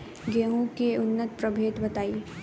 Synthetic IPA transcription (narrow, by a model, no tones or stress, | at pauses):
ɡeɦũkeʊnːət̪pɾɐbʱeːt̪bɐt̪aːi